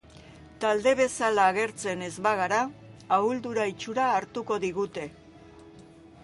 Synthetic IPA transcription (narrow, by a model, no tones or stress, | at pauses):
t̪ald̪e̞β̞e̞salaːɣe̞ɾt͡se̞ne̞zβaɣaɾaauld̪uɾait͡ʃuɾaːɾt̪uko̞ðiɣut̪e̞